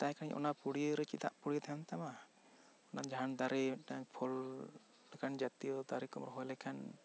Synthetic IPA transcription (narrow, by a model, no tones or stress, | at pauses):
t̪ajkʰaaɲʔɔ̰napuɽiɾɛt͡ʃit̪a̰ʔpuɽijət̪ʰaant̪ama | ɔnad͡ʒaɦand̪aɾɛaɲpʰɔl | lɛkʰand͡ʒat̪iɔd̪aɾikɔmɾɔɦɔjlɛkʰan